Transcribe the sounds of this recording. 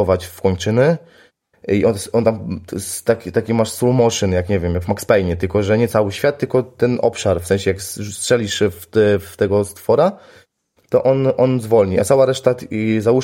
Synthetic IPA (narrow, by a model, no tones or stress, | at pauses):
ɔvat͡ɕfkɔɲʲt͡ʂɘnɘ | iʔɔnɔnt̪amst̪akʲit̪akʲimaʂsulmɔʂɨnjakɲɛvʲjɛmjaɡvmakspɛjɲɛt̪ɘlkɔʐɛɲɛt̪sawɘɕfʲjat̪̚ːɘlkɔt̪ɛnʔɔ̰pʂaɾfsɛ̃ɲ̃ɕɛjaksstʂɛlʲiʂft̪ɛft̪ɛɡɔst̪fɔɾa | t̪ɔʔɔnʔɔnzvɔlɲiʔa̰t̪sawaɾɛʂt̪at̪izau